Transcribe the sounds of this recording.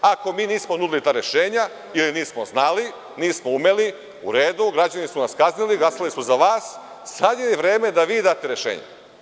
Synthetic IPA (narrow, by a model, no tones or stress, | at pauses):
ako̞miːniːsmonud̪ilit̪aːɾe̞ʃeːɲa | iliniːsmo̞znali | niːsmoumeli | uɾeːd̪uɡɾad͡ʑanisunaskazniliɡlˠasalisuzaʋaːs | sad̪jeliʋɾe̞ːme̞d̪aʋiːd̪aːt̪e̞ɾe̞ʃḛːɲḛ